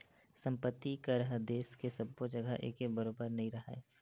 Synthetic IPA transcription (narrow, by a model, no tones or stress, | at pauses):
sɐ̃mpət̪ːikaɾɐɦd̪eːskesɐbːod͡ʒɐɡəʔḛːkekbəɾoːbəɾnɐɦĩɾɐɦaeː